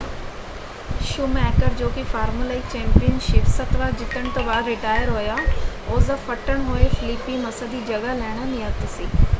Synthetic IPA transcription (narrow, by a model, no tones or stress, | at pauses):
ʃʊmɛːkəɾd͡ʒoːkɪfaːɾməlaːit͡ʃɛ̃ːmpijənʃɪpsət̪ʋaːɾd͡ʒɪt̪ːəɽ̃t̪õːbaːd̪ɾɪʈaːjəɾɦoːjaːoːzəfʰəʈəɳ̃ɦoːefʰɪlɪpːimɐsəd̪iːd͡ʒɐɡalɛːɽ̃əniət̪siː